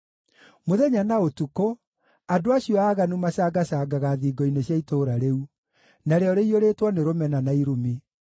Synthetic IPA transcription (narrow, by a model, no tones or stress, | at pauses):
moðɛɲanaotuko | adoaɕiɔaːɣanumasaːɡasaːɡaɣaðiːɡɔineɕjaitoːɾaɾeu | naɾeɔɾeioɾeːtwɔneɾomɛnanaiɾumi